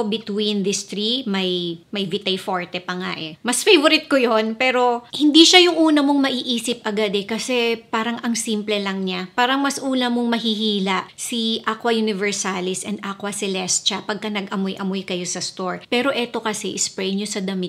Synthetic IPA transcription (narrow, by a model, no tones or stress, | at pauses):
bɪt̪wind̪ɪst̪ɾimɐjmɐjvɪt̪ɐjfo̞ɹt̪ɛpɐŋa̰ʔɛmɐsfejvoɾɪt̪̚kojonpɛːɾo̞hɪnd̪iʃajʊŋʔuːnɐmo̞ŋmɐʔiʔiːsɪp̚ʔɐɡad̪ɛkɐsɛpaːɾɐŋʔɐŋsiːmplɛlɐŋɲapaːɾɐŋmɐsʔuːnɐmo̞ŋmɐɦihiːlɐʔsiʔʔakwɐjʊnɪvɛɹsalɪsʔɛnd̪ʔakwɐsɛlɛst̪t͡ʃɐpɐɡ̚kɐnɐɡʔɐmojʔɐmojkɐjo̞sɐst̪oɹpɛːɾo̞ʔɛt̪o̞kɐsɛʔɪspɾɛjɲosɐd̪ɐmɪ